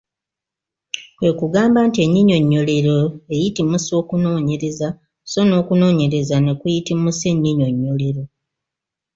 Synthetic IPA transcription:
kwe̞kuɡaːmbaːntie̞ɲːiɲo̞ɲːo̞le̞ɾoe̞jitimusio̞ːkuno̞ːɲe̞ɾe̞za | so̞no̞ːkuno̞ːɲe̞ɾe̞zane̞kujitimuse̞ɲːiɲo̞ɲːo̞le̞ɾo̞

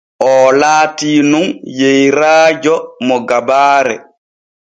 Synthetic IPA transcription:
ʔɔlaːtiːnunjejɾaːd͡ʒɔmɔɡabaːɾɛ̰

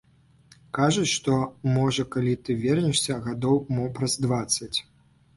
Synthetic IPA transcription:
kaʐut͡ɕʲʂt̪ɔmɔʐɐkalʲit̪ɨvʲɛrnʲiʂsʲɐɣad̪ɔwmɔpɾɐzd̪vat̪sːɐt͡sʲ

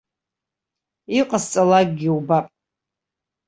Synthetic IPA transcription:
iqʼast͡sʼalak̚ʼɡʲiubapʼ

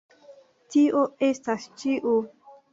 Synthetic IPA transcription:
tiʔoest̪ast͡ʃiʔo

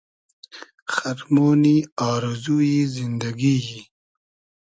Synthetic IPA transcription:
xaɾmoːniɑːɾɪzujizind̪aɡiji

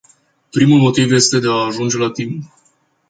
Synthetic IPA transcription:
pɾimulmo̞t̪ivje̞st̪e̞d̪e̞aːʒund͡ʒe̞lat̪imp

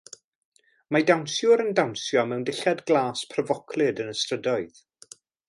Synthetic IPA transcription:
madawnsjʊɾəndawnsjɔmɛwndɪɬadɡlˠaːspʰrəvɔkʰlˠɨdənəstrədɔɨð

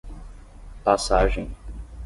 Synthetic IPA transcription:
pasaʒẽj̃

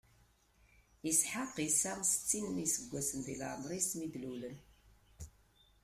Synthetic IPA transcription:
əsħaqisamsə̥t͡sːinmisəɡʷːæsənðḭlə̰ɾmɾˤismid̪lulən

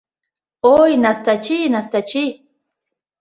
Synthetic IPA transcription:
ojnast̪at͡ʃinast̪at͡ʃij

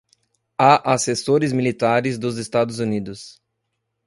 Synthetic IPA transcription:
aʔasesoɾɪzmilit̪aɾɪzd̪ʊzest̪ad̪ʊzunid̪ʊs

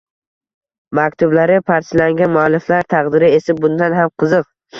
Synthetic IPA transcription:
mak̚ʲt̪ʰʊblaɾɪpʰaɾslaŋɡʲanmʊalːɪflaɾt̪ʰɑqd̪ɪɾɪesɪb̚bʊnd̪anɦamqʰɨzɨq̚

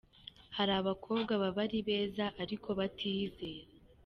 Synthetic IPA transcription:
haɾaːβakʰo̞ːbɡaβaβaɾiβe̞ːzaʔaɾikʰo̞βatʰiːzeːɾe

